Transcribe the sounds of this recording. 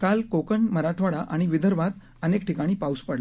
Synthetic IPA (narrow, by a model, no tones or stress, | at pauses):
kalkokəɳməɾaʈʰʋaɽaʔaɽ̃iʋid̪ʱəɾʋat̪ | ənek̚ʈikaɽ̃iːpauspəɽl